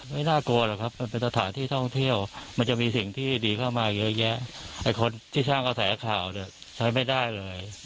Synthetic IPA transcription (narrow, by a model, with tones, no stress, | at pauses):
ma˥˩jnaː˥˩ku˧ɐla˨˩kʰa˦˥p̚ma˧npe˧nsʰa˧t̪ʰaː˩˦nt̪ʰiː˥˩t̪ʰɔ˥˩ŋt̪ʰi˥˩əwma˧nt͡ɕa˨˩ʔmiː˧si˨˩ŋt̪ʰiː˥˩diː˧kʰaː˥˩wmaː˧˨˩jɤ˦˥jɛ˦˥ʔa˨˩jkʰo˧nt̪ʰiː˥˩saː˥˩ŋka˧sɛː˩˦kʰaː˨˩wni˦˥˩ɐ | t͡ɕʰa˦˥jma˥˩jda˥˩jlɤː˧j